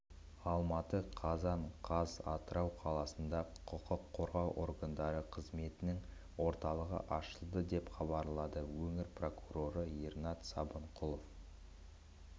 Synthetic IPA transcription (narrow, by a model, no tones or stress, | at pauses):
ɑlˠmɑt̪əqʰɑzɑɴqʰɑzɑ̰t̪əɾɑwqʰɑlˠɑsənd̪ɑqʰʊqəqʰːo̞ɾʁɑwʔo̞̰rɡand̪ɑɾəqʰəzme̞t̪ɪnɪŋ | wo̞ɾt̪ɑlˠəʁə̰ʔɑʃəlˠd̪əd̪e̞pχɑbɑɾlˠɑd̪əwɵŋɪɾpro̞kuɾo̞ɾəirnɑt̪sɑbəɴqʰʊlˠof